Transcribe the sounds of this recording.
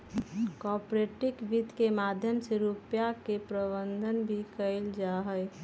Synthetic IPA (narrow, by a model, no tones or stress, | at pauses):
kɔːpɾeʈɪkʋid̪kemaːd̪ʱjəmseɾupjakepɾəbənd̪ʱənbʱikəɪld͡ʒaɦəj